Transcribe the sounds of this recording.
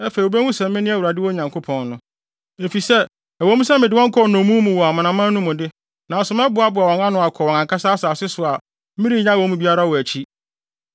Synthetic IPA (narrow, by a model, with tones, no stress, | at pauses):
ɛ˦fe˨i˨o˨bɛ˦wũ˦sɛ̃˨m˦mɪ̃˦nɪ̃˦æ˦˨wu˨ɾa˨dɪ˦wɔ˦ɲã˨ŋkʰo˦pʰɔ̃˨nːʊ̃˦ | e˨fi˨sɛ˦ | æ˨wɔ̃˦mũ˦sɛ˦mɪ̃˨dɪ˦wɔ̃˦ŋ˦kʰɔ˦˨nɔ̃˨˦mũ˦mũ˨wɔ˨a˨mã˨nã˨mã˦nũ˦mʊ̃˨dɪ˦ | nã˨n˨sʊ˨mɛ̃˦bʊ˨a˨˦bʊ˨a˨wɔ̃˨ŋã˦nʊ̃˨a˨kʰɔ˨wɔ̃˨ã˨ŋkʰa˦sa˦sa˨sɪ˦sʊ˨a˨˦ | mĩ˦ɾi˦˨ɲã˦˨wɔ̃˨˦mũ˦bi˦a˦ɾa˦˨wɔ˨æ˨t͡ɕʰi˦